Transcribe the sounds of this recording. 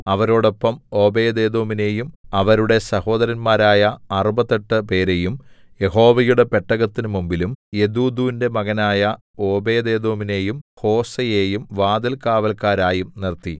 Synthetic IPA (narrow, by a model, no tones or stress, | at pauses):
ɐʋɐɾo̞ːɽo̞pːɐmo̞ːbeːd̪e̞ːd̪o̞ːmine̞ːjumɐʋɐɾuɽe̞sɐho̞ːd̪ɐɾɐnmaːɾaːjɐɐrubɐðɐʈːɨpe̞ːɾe̞jum | je̞ho̞ːʋɐjuɽe̞pe̞ʈːɐɣɐt̪ːinɨmumbilumje̞d̪uːd̪uːinde̞mɐɣɐnaːjɐ | o̞ːbe̞ːd̪e̞ːd̪o̞ːmine̞ːjumho̞ːsɐjeːjumʋaːd̪ɐlkaːʋɐlkaːɾaːjumnirt̪ːi